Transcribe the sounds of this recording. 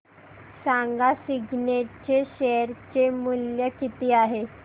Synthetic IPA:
saŋɡasiɡʱneʈ̚t͡ɕeɕeɾt͡ɕemuljəkit̪iːaɦe

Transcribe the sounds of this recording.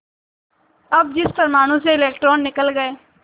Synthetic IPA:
əb̚d͡ʒɪspəɾmaːɽ̃ũːseɪlɛːk̚ʈɾoːnːɪkəlɡəeː

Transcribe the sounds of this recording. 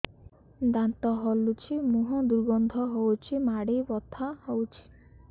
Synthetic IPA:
d̪ant̪ɔɦɔlut͡ʃʰimuɦɔ̃d̪uɾɡɔnd̪ʱɔɦowt͡ʃʰimaɽibɔt̪ʰahowt͡ʃʰi̥

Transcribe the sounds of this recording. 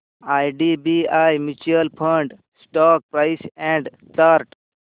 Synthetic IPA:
ajɖibiajmit͡ʃiəlpʰə̃ɳɖ | sʈɔk̚pɾaɪsɛ̃ɳɖ | t̪aːɾʈ

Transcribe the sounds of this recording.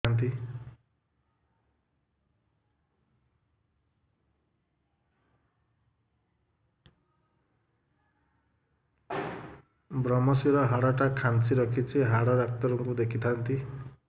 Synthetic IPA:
ant̪i | bɾʌmʌsiɾʌɦaɽaʈakʰant͡sʰiɾʌkʰit͡sʰiɦaɽɔɾak̚t̪ʌɾuŋkud̪ekʰit̪ʰant̪i

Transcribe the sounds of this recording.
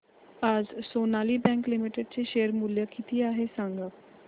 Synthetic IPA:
ad͡zsonaliːbɛ̃ŋklimiʈeɖ̚t͡seɕeəɾmuljəkit̪ʰiːaɦesãŋɡə

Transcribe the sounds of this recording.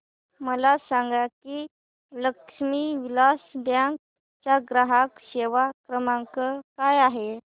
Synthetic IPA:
məlasaŋɡjakiː | ləkʂmiʋilasd̪jãk | t͡ɕjaɡɾaɦakɕeʋakɾəmaŋkəkajaɦe

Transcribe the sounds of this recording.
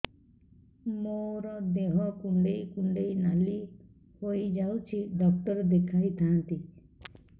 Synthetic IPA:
moːɾɔd̪eɦɔkʊ̃ɳɖeikʊ̃ɳɖeinali | hoid͡ʒaːut͡ʃʰiɖɔk̚ʈ̪əɾd̪ekʰaːit̪ʰãnt̪i

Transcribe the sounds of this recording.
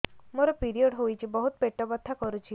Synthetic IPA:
moɾɔpiɾiɔɽɦojt͡ʃʰibɔɦut̪peʈɔbɔt̪ʰːakɔɾut͡ʃʰi

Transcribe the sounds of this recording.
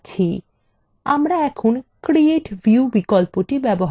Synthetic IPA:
t͡ʃʰi | a̰mɾaɛkʰunkɾieʈbʱjubikɔlpoʈibɛbɔɦ

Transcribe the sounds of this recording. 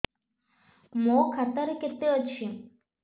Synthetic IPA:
mokʰat̪aɾeket̪ːeət͡ɕʰi

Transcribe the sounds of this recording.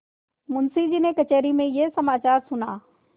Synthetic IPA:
mʊnsid͡ʒinekɐt͡ʃeːɾimẽjesɐmaːt͡ʃaːɾsʊnaː

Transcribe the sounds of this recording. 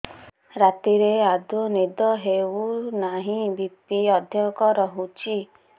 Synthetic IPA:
ɾat̪iɾead̪unid̪ɔɦeunaɦĩbipiɔd̪ʱjɔkɔɾɔɦut͡ʃʰi

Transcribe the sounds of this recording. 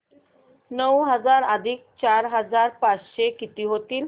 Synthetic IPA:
nəwɦəd͡zaɾəd̪ʱiːk̚t͡ɕaɾɦəd͡zaɾpat͡sɕekit̪iːɦot̪iːl

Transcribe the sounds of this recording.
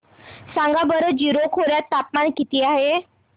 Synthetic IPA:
sãŋɡabəɾəd͡ʑiɾokʰoɾjat̪ːapmankit̪iːaɦe

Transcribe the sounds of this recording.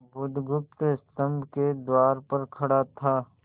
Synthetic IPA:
bʊd̪ʱɡʊp̚t̪ɪst̪ə̃mbʱked̪waːɾpɐɾkʰɐɽat̪ʰaː

